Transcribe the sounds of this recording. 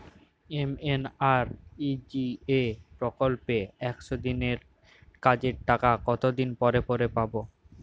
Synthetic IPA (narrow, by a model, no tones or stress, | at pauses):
emenaɾid͡ʑiepɾokolpeɛkʃod̪ineɾ | kad͡ʑeɾʈakakɔt̪od̪inpɔɾepoɾepabo